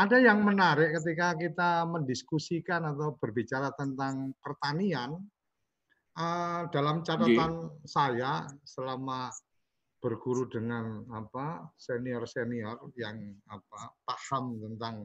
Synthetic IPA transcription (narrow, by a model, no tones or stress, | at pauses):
adajaŋmənaɾɪʔkət̪̬ikakit̪aməndiskusikanat̪awb̥ərbit͡ʃaɾat̪ənt̪aŋpərt̪anian | əd̥alamt͡ʃat̪at̪ansajasəlama | b̥ərɡuɾudəŋanapaseniɔrseniɔrjaŋapapahamt̪ənt̪aŋ